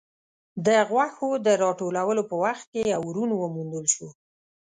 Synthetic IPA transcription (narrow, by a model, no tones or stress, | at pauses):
d̪əɣwaxod̪əɾɑʈolawəlopəwaxt̪̚kejawɾunwəmund̪əlʃu